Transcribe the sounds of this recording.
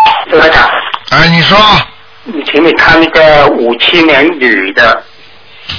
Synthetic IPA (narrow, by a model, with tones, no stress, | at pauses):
ta˥˩t̪a˨˩a˥˩ɪni˨˩ʂwɔ˥ | ni˨˩t̪ʰi˧˥ŋme˨˩kʰa˥˧ni˥˩ɡə˧u˨˩t͡ɕʰi˥njɛ˧˥nly˨˩d̪ə˦